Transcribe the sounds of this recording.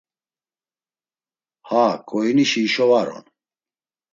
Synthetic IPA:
hakʼɔiniʃiːʃɔvaɾɔ̰n

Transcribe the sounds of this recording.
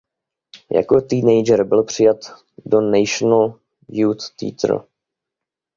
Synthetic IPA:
ja̰kot̪iːnɛjd͡ʒɛɾbɪlpr̝̥ɪjat̪ | donɛjʃnl | juːt̪ːḭːt̪r̩̰

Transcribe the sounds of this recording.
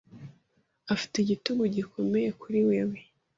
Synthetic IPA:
afi̥teɟituɡuɟikʰo̞me̞je̞kuɾiweːwe

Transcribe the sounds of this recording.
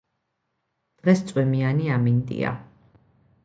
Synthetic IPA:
d̪̥ʁɛst̪sʼwɛmianiamint̪ʼḭa̰

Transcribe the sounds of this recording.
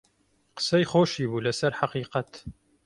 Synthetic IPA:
qə̥sɐjχoːʃibulæsɐɾħɑqiːqɑt̪

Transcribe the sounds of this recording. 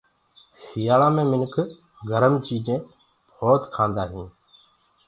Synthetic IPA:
sijaːlãːmẽːmɪnkʰ | ɡʱəɾəmt͡ʃiːd͡ʒẽː | bʰʱoːt̪kʰãːnd̪aːɦĩː

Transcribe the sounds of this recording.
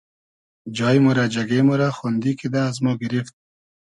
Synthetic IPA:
d͡ʒɑːjmuɾad͡ʒaɡemoɾaxund̪ikid̪aːzmɔɡɪɾift̪̚

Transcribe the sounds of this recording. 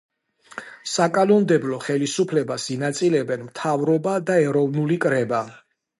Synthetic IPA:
sakʼanɔnd̪ɛblɔχɛlisupʰlɛbasinat̪sʼilɛbɛnmt̪ʰavɾɔbad̪aɛɾɔvnulikʼɾɛba

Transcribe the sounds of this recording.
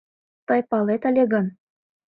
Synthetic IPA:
t̪ɤjpɑlet̪ə̆lʲeɣɤ̆n

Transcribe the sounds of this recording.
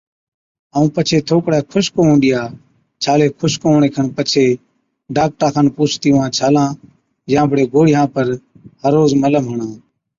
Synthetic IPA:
əːũːpət͡ʃʰeːt̪ʰoːkɽɛːkʰʊʃkoːɦũːɗ̪ɪjaː | t͡ʃʰaːleːkʰʊʃkoːɳ̃eːkʰəɳpət͡ʃʰeː | ɖaːk̚ʈaːkʰənpuːt͡ʃʰt̪iʋãːt͡ʃʰaːlãː | jãːbʱəɽeːɡoːɽɪjãːpəɾ | həɾoːzmələmɦəɳãː

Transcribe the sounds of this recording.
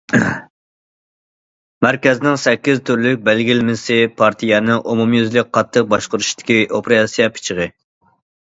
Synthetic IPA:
mæɾkʲɛznɪŋsɛkʲːizt̪ʰyɾlyk̚ʲbælɡʲilmɪsɪpʰɑɾt̪ʰijɛnɨʔumumjyzlɪk̚ʲqʰɑt̪ʰːəq̚bɑʃqʊɾuʃi̥d̪ɪ̥kʲiʔopɾɑsijɛpʰɪ̥t͡ʃʰɪʁə

